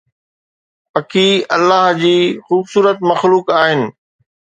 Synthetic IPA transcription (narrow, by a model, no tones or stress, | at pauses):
pɐkʰiɐlːaːɦd͡ʑiːxuːbsuːɾət̪mɐxluːkaːɦɪnɪ̆